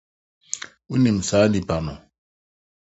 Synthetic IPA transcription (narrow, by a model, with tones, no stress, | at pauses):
u˦ni˨m̩˨saː˨˦di˨pa˨nɔ˨